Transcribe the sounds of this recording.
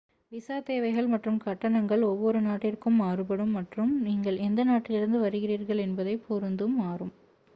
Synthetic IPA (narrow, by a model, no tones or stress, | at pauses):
ʋɪsaːt̪eːʋɐɪɣɐɭmɐʈrɯmkɐʈːɐɳɐŋɡɐɭɔʋːɔɾɯnaːʈːɪrkɯmaːrɯpɐɽɯmːɐʈrɯmniːŋɡɐɭɛnd̪ɐnaːʈːɪlɪɾɯnd̪ɯʋɐɾɯɣɪriːɾɣɐɭɛnbɐðɐɪpʰːɔɾɯnd̪ɯmaːrɯm